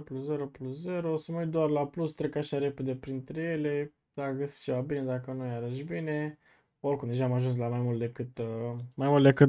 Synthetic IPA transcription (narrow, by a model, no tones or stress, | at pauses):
plusze̞ɾoplusze̞ɾoosəməwit̪̚d̪oarlaplust̪ɾekaʃaɾe̞pe̞d̪e̞pɾint̪ɾe̞je̞le̞ | d̪akəɡəsi̥t͡ʃe̞vabine̞d̪akənujaɾəʃbine̞ | orkumd̪e̞ʒaːmaʒuns̬lamajmult̪d̪ekɨt̪majmult̪d̪e̞kɨt̪